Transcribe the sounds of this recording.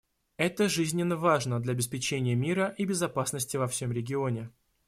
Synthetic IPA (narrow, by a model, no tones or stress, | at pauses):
ɛt̪əʐɨzʲnʲɪnːəvaʐnəd̪lʲɐbʲɪspʲɪt͡ɕenʲɪjəmʲiɾəʔibʲɪzɐpasnəsʲtʲɪvɐfsʲo̞mɾʲɪɡʲɪo̞nʲɪ